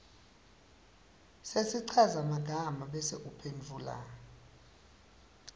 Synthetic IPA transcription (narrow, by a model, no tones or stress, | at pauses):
sesiǀʰazamaɡ̥ʱamaɓɛseʔupʰend͡vʱula̰